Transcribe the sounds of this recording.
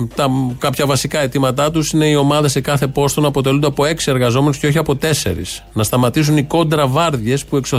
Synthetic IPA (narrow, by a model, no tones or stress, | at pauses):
t̪ɐkɐpçɐvɐsikɐe̞t̪imɐt̪ɐt̪usine̞io̞mɐðese̞kɐθe̞po̞st̪o̞nɐpo̞t̪elund̪eɐpo̞e̞ksie̞ɾɣɐzo̞me̞nusceo̞çiɐpo̞t̪e̞se̞̰ɾḭs | nɐst̪ɐmɐt̪isuniko̞nd̪ɾɐvɐɾðʝe̞spue̞kso